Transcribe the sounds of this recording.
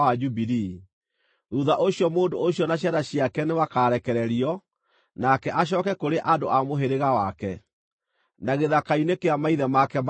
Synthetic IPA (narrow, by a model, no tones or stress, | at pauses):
ad͡ʒubiɾi | ɾuðaʔoɕjɔmoːndooɕjɔnaɕ̬jaðaɕjakɛnewakaːɾɛkɛɾɛɾiɔ | nakɛʔaɕ̬ɔːkɛkoɾeʔandoʔamoɦeɾeɣawakɛ | naɣeðakainekeamaiðɛmakɛm